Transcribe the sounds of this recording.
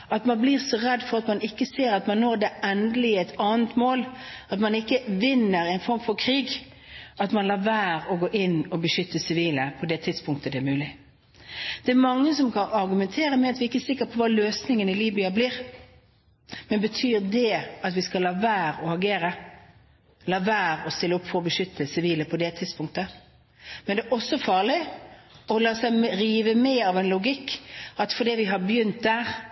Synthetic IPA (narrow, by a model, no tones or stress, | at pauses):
ɑt̪mɑnbliːʁsɔʁɛd̪ːfɔʁɑt̪mɑnɪkːəseːɾɑt̪mɑnːoːʁd̪ɛʔɛnd̪əlɪɛɪt̪ɑːnt̪moːlɑt̪mɑnɪkːəʋɪnːəɾæɪnfɔɾmfɔɾkʰʁiːɡ | ɑt̪mɑnlɑːʋæːʁɔɡoːʔɪnːɔbəʃʏt̪ːəsɪʋiːləpʰɔd̪ɛt̪ʰɪd̪spʰʊŋkt̪əd̪ɛæmʉːlɪ | d̪̥ɛæɾmɑŋːəsɔmkʰɑnɑʁɡʉmɛnt̪ʰeːʁəmɛɑt̪ʋɪɪkːəæsɪkːəpʰɔʋɑːløːsnɪŋənɪliːbʏɑbliːʁ | mɛnbət̪ʰyːʁd̪ɛɑt̪ʋɪskɑlɑːʋæːɾɔɑɡeːɾə | lɑːʋæːɾɔst̪ɪlːəɔpːfɔɾɔbəʃʏt̪ʰːəsɪʋiːləpʰɔd̪ɛt̪ʰɪd̪̥spʊŋkt̪ə | mɛnd̪ɛæʔɔsːɔfɑːʁlɪ | ɔlɑːsæɪmɾiːʋəmɛːɑʋɛnlʊɡɪkːɑt̪fɔd̪iːʋɪɦɑbjʏnt̪̚d̪æːʁ